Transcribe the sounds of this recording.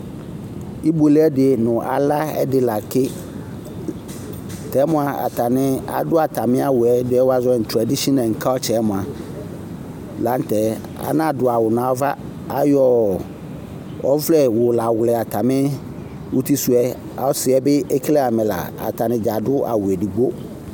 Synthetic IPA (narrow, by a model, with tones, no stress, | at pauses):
i˦bo˨le˦ɛ˦dɪ˨e˨nʊ̃˨ʔa˨la˦ɛ̰˦dɪ˨la˨kʰɪ˦ | tʰɛ˨˦mʊ̃˨a˨a̰˨tʰa˨nɪ̃˦a̰˨dʊ˦a˨tʰa˨mɪ̃˦a˦wʊ˨ɛ˦dɪ˦ɛ˦wa˦zʊ˦ɛ˦˨n̩˨tʰɾa˨di˦ʃɔ˦nã˨ŋ̩˨kʰa˦t͡ɕʰɛ˨˦mʊ̃˨a˨ | la˨˦n̩˦tʰɛ˨ | a̰˦nã˦˨dʊ˨a˨wʊ˨ñ˨a˨˦va˦ | a˦jɔ˨ | ɔ̰˦vlɛ˨wʊ˨la˨wʊ˨lɛ˨a˨tʰa˨mɪ̃˦ | wʔʊ˦ti˦su˦ɛ˦ | a̰˨˦sɪ˨ɛ˨bɪ˦ɛ˦kʰle˦a˨mɪ̃˨la̰˨a̰˨tʰa˨nɪ̃˨d͡ʒa˨dʊ˦a̰˨wʊ˨ɛ˨di˨ɡ͡bo˦